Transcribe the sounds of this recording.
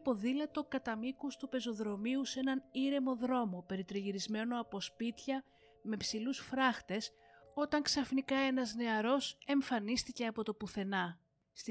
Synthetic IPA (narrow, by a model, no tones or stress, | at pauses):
po̞ðilet̪o̞kɐt̪ɐmikust̪upe̞zo̞ðɾo̞miuse̞nɐniɾe̞mo̞ðɾo̞mo̞pe̞ɾit̪ɾiʝiɾizme̞no̞ɐpo̞spit̪çɐ | me̞psilusfɾɐxt̪e̞s | o̞t̪ɐŋksɐfnikɐe̞nɐzne̞ɐɾo̞se̞ɱfɐnist̪ice̞ɐpo̞t̪o̞puθe̞nɐ | st̪